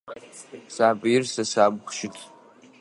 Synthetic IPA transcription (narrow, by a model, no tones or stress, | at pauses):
saːpʼjɪrsasaːbχʷʃɪtʰʼ